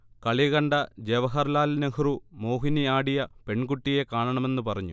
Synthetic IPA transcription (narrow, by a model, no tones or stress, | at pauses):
kɐɭiɐɣɐɳɖɐd͡ʑeʋɐɦɐrlaːlnɐhrumo̞ːɦiniaːɽijɐpe̞ɳɡuʈːije̞kaːɳɐɳɐme̞nːɨpɐrɐɲːṵ